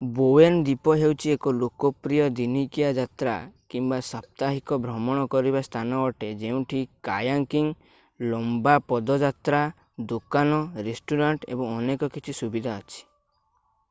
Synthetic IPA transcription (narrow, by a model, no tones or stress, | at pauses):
boend̪ipɔɦewt͡ʃʰiekɔlokɔpɾijɔd̪inikijad͡ʒat̪ɾa̰kimbasɔp̚t̪aɦikɔbʱɾɔmɔɽ̃ɔkɔɾibast̪ʰanɔɔʈed͡ʒeũʈʰikajaŋkiŋ | lɔmbapɔd̪ɔd͡ʒat̪ɾa | d̪okanɔɾesʈuɾaɳʈḛbɔŋɔnekɔkit͡ʃʰisubid̪ʱaɔt͡ʃʰi̥